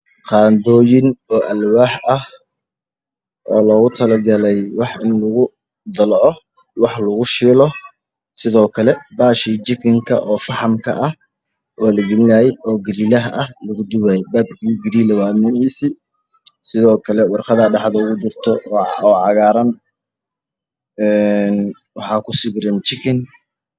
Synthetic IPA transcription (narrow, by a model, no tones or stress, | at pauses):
qɑːnd̪ɔːjɪnɔːʔɐlwaːħʔɐh | ʔɔːlɔːɣʊt̪ʰɐlɐɡɐlɛjwɑħɪnlʊɣʊ | d̪ɐlʕɔ | wɑħlɐɣʊʃiːlɔ | sɪðɔːkʰɐlɛbaːʃid͡ʒɪkʰɪŋkʰɐʔɔːfɑħɑmkʰɐ̰ʔɐh | ʔɔːlɐɡɪlɪnɐjɛjʔɔːɡɪɾiːlɐɦɐʔɐhlɐɣʊd̪ʊwaːjbaːbkʰuɡɪɾiːlɐwaːmɪhiːsi | sɪðɔːkʰɐlɛwɑrqɑðɐɖɑħðɐʊɣʊd̪ʊrt̪ʰɔʔːɔːʕɑɣaːɾɐn | ɛn | wɑħɑːkʰʊsɪɡɾɪnt͡ʃɪkʰɪn